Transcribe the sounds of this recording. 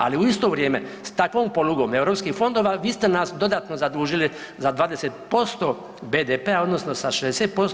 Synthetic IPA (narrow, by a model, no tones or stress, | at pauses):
a̰liuist̪o̞ːʋɾjeːmest̪akʋoːmpo̞luɡo̞ːme̞wɾopskixfo̞nd̪o̞ːʋaːʋiːst̪e̞nasd̪o̞d̪aːt̪no̞zad̪ɾuːʒili | zad̪ʋaːd̪eset̪̚po̞st̪o̞ː | beːd̪epeao̞d̪no̞sno̞saʃezd̪eset̪̚po̞s